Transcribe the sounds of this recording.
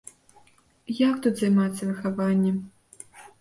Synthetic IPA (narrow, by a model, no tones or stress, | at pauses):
jakt̪ut̪zɐjmat̪sʲːɐvɨxavanʲːɛ